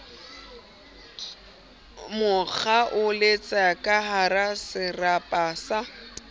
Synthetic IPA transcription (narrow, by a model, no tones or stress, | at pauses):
mʊk͡xʰaʔʊlet͡sʼakʼaɦaɾasɪrapʼaːsa